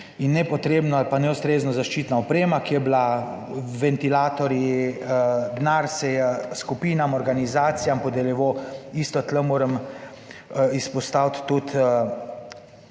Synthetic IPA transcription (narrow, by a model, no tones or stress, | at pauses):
inːɛpɔt̪ɾeːbnɔalpanɛust̪ɾeːznɔzaʃt͡ʃiːt̪naɔpɾeːmakijɛbla | ʋɛnt̪ilaːt̪ɔɾji | d̪naːɾsɛjɛskupiːnamɔɾɡanizaːt̪sijampɔd̪ɛljɛʋoiːst̪ɔt̪ləmoːɾəm | ispɔst̪awt̪ːut̪